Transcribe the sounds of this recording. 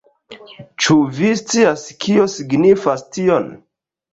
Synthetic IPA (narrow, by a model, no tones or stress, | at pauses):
t͡ʃuvist͡siaskiosiɡnifastion